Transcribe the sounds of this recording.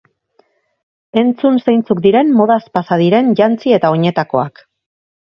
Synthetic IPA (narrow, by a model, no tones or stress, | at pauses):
e̞nt͡sunsejnt͡sukd̪iɾe̞nmo̞ð̞aspasaðiɾe̞nʝant͡sie̞t̪ao̞ɲe̞t̪ako̞ak